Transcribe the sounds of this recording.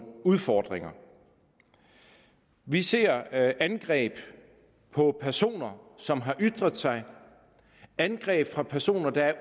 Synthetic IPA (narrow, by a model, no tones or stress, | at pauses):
uðˠfɒːd̥ʁeŋɐ | ʋise̝̰ɐ̰ʔænɡ̥ʁɛ̰ːb̥ | pʰɒ̽pʰæɐso̝̰ːnɐsɒ̽mɦɑ̈ʔyd̥ʁɐðˠsɑ̈ɪ | ænɡ̥ʁɛ̰ːb̥fʁɑ̈pʰæɐso̝̰ːnɐd̥ɑ̈æɐ